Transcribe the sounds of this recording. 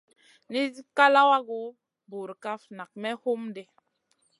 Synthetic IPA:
ni˦zi˦ka˦la˦wa˦ɡo˦ | bo˨ɾka˦fna˨k̚mɛ˦ho˦mde˨

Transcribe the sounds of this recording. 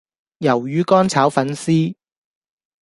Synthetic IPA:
jɐ˨˩wjyː˨˧kɔː˥nt͡sʰaː˨˥wfɐ˨˥nsiː˥

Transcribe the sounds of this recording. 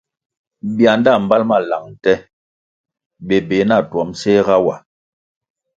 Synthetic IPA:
bi˨a˨nda˦˨m̩˨ba˦lma˦˨la˨ŋn̩˨tɛ˦ | ɓe˨be˨˦na˦˨twɔ˨˦mse˦ɣa˦wa˨

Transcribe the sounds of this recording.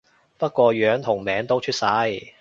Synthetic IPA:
pɐ˥t̚kʷɔː˧ɥœː˨˥ŋt̪ʰʊ˨˩ŋmɛː˨˥ŋt̪o˥wt͡ʃʰy˥t̚sɐ˧˥j

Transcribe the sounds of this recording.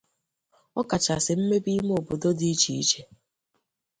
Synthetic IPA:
ɔ˦ka˨t͡ʃa˨sɪ˨m̩˦me˦bi˦m˦o˨bo˨do˦di˦i˦t͡ʃi˨i˦t͡ʃe˦

